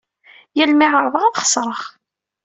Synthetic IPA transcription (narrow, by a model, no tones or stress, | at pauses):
jælmɪʁəɾˤðˤəʁaðχə̥sˤɾˤəχ